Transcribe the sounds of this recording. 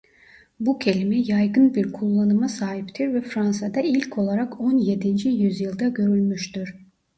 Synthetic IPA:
bucʰe̞lʲimɛjajɡɯnbiɾkʰulˠːanɯmasaːɦipt̪ʰiɾvɛfɾansad̪ailʲcʰo̞lˠaɾakʰo̞nje̞d̪ind͡ʒijyzjɯlˠd̪aɟø̞ɾylʲmyʃt̪yɾ̥

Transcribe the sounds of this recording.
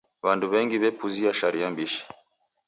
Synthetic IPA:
βanduβɛŋɡiβɛpuziaʃaɾiambiʃi̥

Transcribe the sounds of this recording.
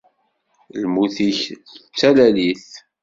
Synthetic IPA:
lmuθiç | ət͡sːælæliθ

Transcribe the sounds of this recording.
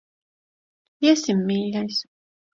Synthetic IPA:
isimːiːʎʲajs

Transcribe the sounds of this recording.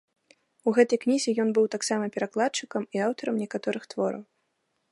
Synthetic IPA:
uɣɛt̪ɐjknʲizʲɛjɔnbɨwt̪aksamɐpʲɛɾaklˠatt͡ʂɨkɐmiawt̪ɐɾɐmnʲɛkat̪ɔɾɨxt̪vɔɾɐ̰w

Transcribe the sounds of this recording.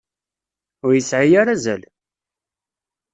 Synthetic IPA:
ʊɾjəsʕijaɾazæ̰l

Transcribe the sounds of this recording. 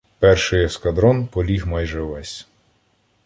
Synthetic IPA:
pɛrʃɪjɛskɐd̪ɾɔnpɔlʲixmɑjʒɛʋɛsʲ

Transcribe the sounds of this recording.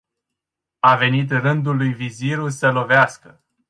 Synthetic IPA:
ave̞nit̪̬rɨnd̪ulujviziɾusəlo̞veaskə

